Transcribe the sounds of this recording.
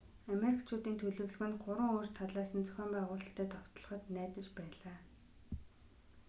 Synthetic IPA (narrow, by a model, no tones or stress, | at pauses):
ameɾikt͡ɕʰʊːt̪iːnt̪ʰɵɮɵ̆wɮɵ̆ɣɘ̆nɢʊɾə̆ŋoːrt͡ɕt̪ʰaɮaːsə̆nt͡sœ̥xʲœːmpæːʁʊːɮə̆ɬt̪ʰæːt̪ʰɔw̥t̪ɞ̆ɮɞ̆χə̆t̪næːt̪ə̆t͡ɕpæːɮaː